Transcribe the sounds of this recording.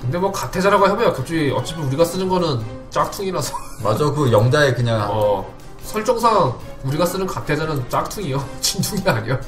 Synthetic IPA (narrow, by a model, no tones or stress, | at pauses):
kɯnde̞mwʌkatʰe̞d͡ʑaɾaɡoɦebojokʌt͡ɕ͈uiʌt͡ɕ͈ʌpʰjʌnuɾiɡas͈ɯnɯnɡʌnɯn | t͡ɕ͈ak̚tʰuŋinasʰʌ̥ | ma̰d͡ʑokɯjʌŋd͡ʑaekɯɲaŋʌ | sʰʌɭt͡ɕ͈oŋsʰaŋuɾiɡas͈ɯnɯnkatʰe̞d͡ʑanɯnt͡ɕ͈ak̚tʰuŋijot͡ɕintʰuŋiaɲijo